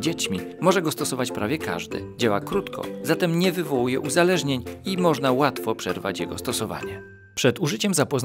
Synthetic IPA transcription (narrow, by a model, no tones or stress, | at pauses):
d͡ʑet͡ɕmʲimɔʐɛɡɔst̪ɔsɔvat͡ɕpɾʔavʲjɛka̰ʐd̪ɘ̰d͡ʑawakɾut̪kʰɔ̰zat̪ɛmɲɛvɘvɔwujɛʔuzalɛʐɲeɲimɔʐnawat̪fɔpʂɛɾva̰t͡ɕjɛɡɔst̪ɔsɔva̰ɲɛ | pʂɛd̪uʐɘt͡ɕɛmzapɔz